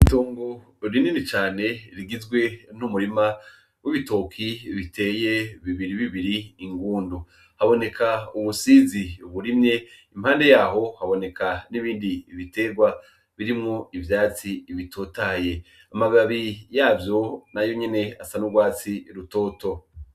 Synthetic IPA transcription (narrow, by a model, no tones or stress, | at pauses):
itoːŋɡo | ɾininit͡ʃaːne̞ɾiɡizɡwe̞numuɾima | wʔiβito̞kʰiβitʰe̞ːje̞βiβiɾiβiβiɾiːŋɡuːndu | haβo̞ne̞kʰauβusiziuβuɾimɲe̞imhaːnde̞jaːɦo̞haβo̞ne̞kʰaniβiːndiːβite̞ːɾɡwa | βiɾimŋo̞ivjaːt͡siiβitʰo̞ːtaje̞ | amaɡaβijaːvjo̞najo̞ɲe̞ne̞asanuɡwaːt͡siɾuto̞ːto̞